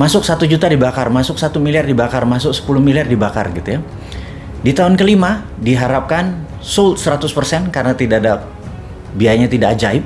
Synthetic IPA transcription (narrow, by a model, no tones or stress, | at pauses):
masʊksat̪ud͡ʒut̪adibakarmasʊk̚sat̪umiliardibakarmasʊk̚sə̥pulʊhmiliardibaka̰rɡit̪uja | dit̪aɦʊnkəlimadiɦaɾap̚kan | sʊlt̪̚səɾat̪ʊspərsɛnkarənat̪idaːda | biajaɲat̪idad͡ʒaɪp̚